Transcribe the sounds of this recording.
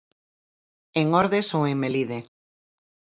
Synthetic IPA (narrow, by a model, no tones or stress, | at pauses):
eŋoɾðesoweŋmeliðe